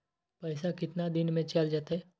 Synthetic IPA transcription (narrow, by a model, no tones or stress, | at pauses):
pɐɪsakɪt̪nad̪ɪnmẽt͡ʃald͡ʒaːt̪aɦɛ